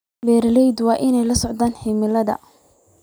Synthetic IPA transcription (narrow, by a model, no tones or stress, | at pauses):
bɛːɾɐlɛjd̪wɑːʔɪnɛjlɐsɔʕd̪aːnħɪmɪlɐðɐ̰